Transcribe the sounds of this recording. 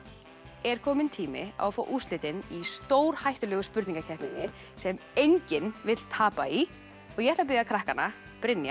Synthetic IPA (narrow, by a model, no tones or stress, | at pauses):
ɛɾ̥kʰɔːmɪnt̪ʰiːmɪ̰a̰wfoːʔust̪lɪːt̪ɪnist̪oːwɾ̥hajht̪ʏlœːɣʏspʏɾt̪niŋkacʰɛhpnɪnːɪ | sɛmejɲcɪnvɪt̪lt̪ʰaːpai | ɔɣjɛht̪apɪðjakʰɾahkanːa | pɾɪnja̰